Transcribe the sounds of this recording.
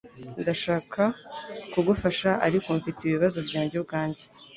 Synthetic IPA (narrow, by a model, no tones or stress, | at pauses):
ndaʃaːkʰakuɡufaʃaʔa̰ɾikoɱfitiβiβazo̞vɟaːɲɟobɡaːɲɟe